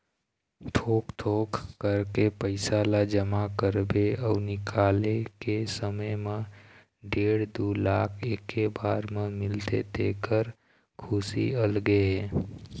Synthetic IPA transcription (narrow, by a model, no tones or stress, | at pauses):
t̪ʰoːkt̪ʰoːkːəɾkepəɪsalad͡ʒəmakəɾbeɔːnɪkʰaːlekesəməjmẽ | ɖeːɽd̪uːlaːkʰeːkːebaːɾmẽmɪlt̪ḛt̪ḛːkəɾ | kʰʊsḭəlɡeɦɛː